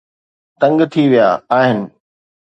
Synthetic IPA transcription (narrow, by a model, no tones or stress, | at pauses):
t̪ɐ̃ŋɡt̪ʰiʋija̰ːaːɦɪnɪ̆